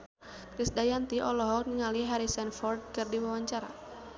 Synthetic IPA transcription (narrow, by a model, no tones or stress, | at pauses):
kɾisdajant̪iʔɔlɔɦɔniŋaliɦaɾisanfɔrd̚kɨrdiwawaɲt͡ʃaɾa̰